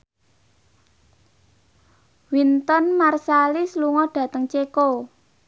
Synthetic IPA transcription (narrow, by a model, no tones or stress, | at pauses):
wint̪ɔnmarsalisluŋɔɖ̥ä̤t̪əŋt͡ʃeko